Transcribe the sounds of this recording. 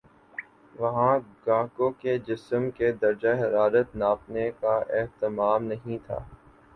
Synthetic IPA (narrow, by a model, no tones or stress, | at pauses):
ʋɐɦãɡãːkõked͡ʒɪsəmked̪ɐɾd͡ʒaɦɐɾaːɾət̪naːpnekaʔɪɦt̪ɪmaːmnɐɦĩt̪ʰa̰ː